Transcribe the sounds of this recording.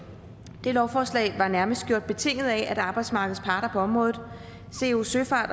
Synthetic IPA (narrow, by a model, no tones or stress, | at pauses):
d̥e̝lɒʊfɒːslɛ̰ɪʋɑ̈næɐməsd̥̚ɡ̥jo̰d̥̚b̥e̝t͡sʰe̝ŋ̰ð̞̩ˠææd̥ɑ̈ːb̥ɑ̈ɪd̥smɑ̈ːɡ̥ð̞̩ˠspʰɑ̈ːɾ̥ɐpʰɒ̽ɒ̽mʁɔ̽ːðð̩ˠ | se̝uːsøfɑ̈ːd̥